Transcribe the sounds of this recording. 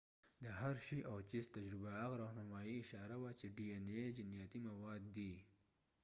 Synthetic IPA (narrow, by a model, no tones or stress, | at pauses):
d̪əɦaɾʃiʔawt͡ʃist̪ad͡ʒɾɪbaaɣɾohnamɑiɪʃɑɾawat͡ʃeɖiened͡ʒɪnjɑt̪imawɑd̪ːi